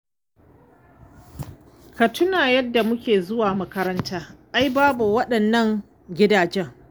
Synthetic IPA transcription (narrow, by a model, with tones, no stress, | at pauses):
kɐ˨tʰʊ˦naː˨jɐ˦dːa˨mʊ˦kʲeː˨zʊ˦waː˨mɐ˦kɐ˦ɾɐ˦ntʰaː˦ʔa˦jbaː˦bu˨wɐ˦ɗɐ˨nːɐ˦ŋ | ɡʲɪ˦daː˨d͡ʒɛ˦ŋ